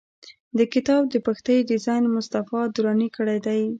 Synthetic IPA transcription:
d̪əkɪt̪ɑb̚d̪əpaxt̪əjɖɪzɑjnmʊst̪afɑd̪uɾɑnikəɽajd̪aj

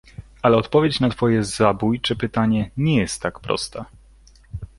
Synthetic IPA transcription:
alɛɔt̪pɔvʲjet͡ɕnat̪fɔjɛzabujt͡ʂɘpɘt̪aɲɛɲɛjɛst̪ːakpɾɔ̰st̪ɛ

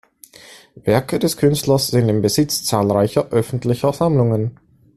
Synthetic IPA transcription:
vɛɐkədɛskʰʏnstlɐsz̥ɪntɪmbəzɪt͡st͡saːlʁaɪçɐʔœfn̩tlɪçɐzamlʊŋən

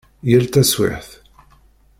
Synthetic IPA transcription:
jælt̪æswɪ̰ħθ

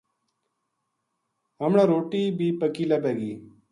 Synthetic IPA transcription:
ɦəmɳaːɾoːʈiːbiːpəkiːlaːbeːɡiː

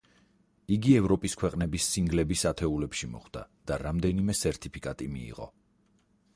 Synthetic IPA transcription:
iɡiɛvɾɔpʼiskʰwɛqʼnɛbisːiŋɡlɛbisat̪ʰɛulɛpʃimɔ̰χd̪̥a̰d̪̥aɾamd̪ɛnimɛsɛɾt̪ʰʼipʰikʼat̪ʼimḭːʁɔ̰

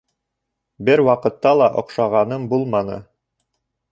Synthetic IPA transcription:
bɘɾwɑqɤ̆t̪ːɑlˠɑʔŏqʃɑʁɑnɤmbulˠmɑnɤ̰

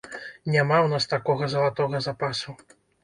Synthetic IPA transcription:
nʲamawnast̪akɔɣɐzɐlˠat̪ɔɣɐzapasu

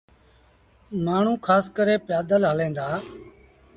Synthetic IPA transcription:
maːɳ̤ũːkʰaːskəɾeːpjaːd̪əlɦəlẽːnd̪aː

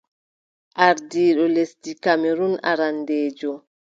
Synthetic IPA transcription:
ʔaɾdiːɗɔlesdikameɾuna̰ɾandeːd͡ʒɔ

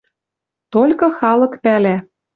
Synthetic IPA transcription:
t̪olʲkɤ̆xɑlɤ̆kpælæ

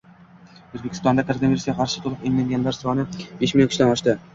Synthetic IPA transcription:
ɵzbekʰʲɪ̥st̪ɒnd̪ak̪ʰaɾamiɾsɡʲaqʰɑɾʃɪ̥t̪ʰolˠɨqeŋlaŋɡʲanlaɾsɒnɪbeʃmɪlʲonkʰɪʃlanɒʃt̪ɪ

